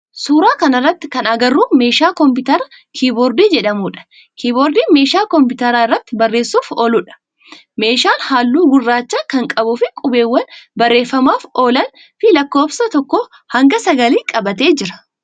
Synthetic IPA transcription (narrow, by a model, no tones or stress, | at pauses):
suːɾaːkɐnɐrːɐt̪ːɪ̥kɐnɐɡɐrːuːme̞ːʃaːkɔmpɪt̪ɐɾɐ | kʰiːboːɾd̪iːd͡ʒɛᶑɐmuːᶑɐ̥ | kʰiːboːɾd̪iːme̞ːʃaːkɔmp̬ɪt̪ɐɾaːɪrːɐt̪ːɪbɐrːe̞ːsːuːfoːlʊᶑɐ̥ | me̞ːʃaːnhaːlːuːɡʊrːaːt͡ʃːaːkɐŋkʼɐbʊfɪkʼʊbe̞ːwːɐnbɐrːe̞ːfːɐmaːfo̞ːlɐn | fɪlɐkːo̞ːbsɐt̪ɔkːoː | hɐŋɡɐsɐɡɐliːkʼɐbɐt̪e̞ːd͡ʒɪɾɐ̥